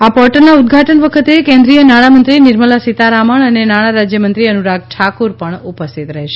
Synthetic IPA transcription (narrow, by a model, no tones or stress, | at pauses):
apɔɾʈəɾnaud̪̚ɡʱaʈənʋəkʰət̪ekẽnd̪ɾijənaɽ̃amənt̪ɾinɪɾməlasit̪aɾaməɳənenaɽ̃aɾad͡ʒjəmənt̪ɾiənuɾaɡ̚ʈʰakuɾpəɳupəst̪ʰit̪ɾəɦeʃe